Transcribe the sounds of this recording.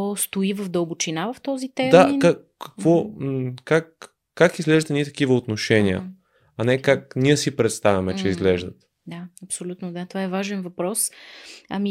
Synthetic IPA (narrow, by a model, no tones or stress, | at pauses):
ɔst̪oivəvd̪əlˠbot͡ʃinavɐft̪ɔzit̪ɛd̪aakakː | ə̥kvɔkakː | akizɡlɛʒd̪ət̪nit̪ɐ̥kivəot̪noʃɛniə̰ | ɐnɛkakniɛsipɾɛt̪st̪avʲɐmɛt͡ʃɛizɡlɛʒd̪ət̪ | d̪aɐpsolʲut̪nod̪at̪ovaɛvaʒɛnvɐpɾɔsɐmi